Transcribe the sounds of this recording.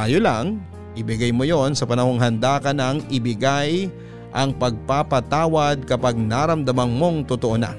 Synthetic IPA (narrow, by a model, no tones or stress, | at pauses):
ajolɐŋ | ʔɪbɪɡajmojo̞nsɐpɐnɐho̞ŋɦɐnd̪aːkɐnɐŋʔɪbɪɡaj | ʔɐŋpɐɡ̚papɐt̪aːwɐd̪̚kɐpaɡ̚naɾɐmd̪ɐmɐnmo̞ŋt̪ʊt̪oʔona̰